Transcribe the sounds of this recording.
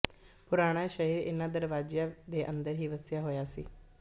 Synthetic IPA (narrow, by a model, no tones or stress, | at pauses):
pʊɾaːɽ̃aːʃəɦiːɾɪ̰nãːd̪əɾʋaːd͡ʒjãːd̪eːʔə̃nd̪əɾɦiːʋəsjaːɦoːjaːsḭː